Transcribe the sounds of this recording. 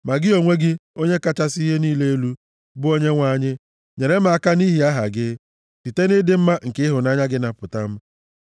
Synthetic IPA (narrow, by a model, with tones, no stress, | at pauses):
ma˨ɡɪ˦o˨ŋʷe˦ɡɪ˦o˦ɲe˦ka˦t͡ʃa˦si˦ɦe˦niː˦le˦e˦lu˦ | bʊ˦o˦ɲe˦ŋʷa˨ɲɪ˦ | ɲe˨ɾe˦m˦a˨ka˦ni˦ɦi˨a˦ɦa̰˨ɡɪ˦ | ti˨te˦nɪ˦dɪ˦m̩˦ma˦ŋ̩˨kɪ˦ɪ˦ɦʊ˨na˦ɲa˦ɡɪ˦na˨pʊ˨ta˦m̩˦